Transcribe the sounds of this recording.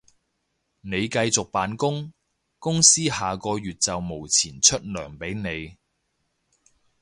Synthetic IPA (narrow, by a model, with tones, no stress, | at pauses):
ne˨˧jkɐ˧jt͡sʊ˨k̚paː˨˧nkʊ˥ŋ | kʊ˥ŋsiː˥haː˨kɔː˧jyː˨t̚t͡sɐ˨wmo˨˩wt͡sʰiː˨˩nt͡ʃʰɵ˥t̚lœː˨˩ŋpe˨˥jne˨˧j